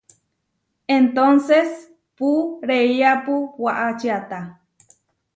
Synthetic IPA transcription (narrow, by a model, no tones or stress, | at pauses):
ent̪onses | puɾeiapuwaʔat͡ʃiat̪a